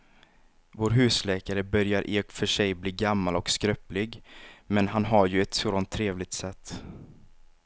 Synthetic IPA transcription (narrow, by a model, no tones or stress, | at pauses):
voːɾɦʉ̟ːslɛːkaɾəbœɾjaɾʔeːfœʂɛjbliːɡamːalɔkskɾœplɪɡmɛnɦanɦaɾjɵɛt̪sɾɔnt̪ʰːɾeːvlɪɡ̚t̪sɛt̪ː